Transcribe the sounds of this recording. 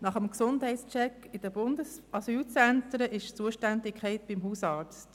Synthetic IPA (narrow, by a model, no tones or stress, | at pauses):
nɑχəmksʊnthɛɪtst͡ʃɛkː | ɪd̥əbʊndəsɑsyːlt͡sɛntɾəʔɪʃt͡suəʃtændɪkʰχɛɪt̚b̥imɦuːsɑːɾt͡st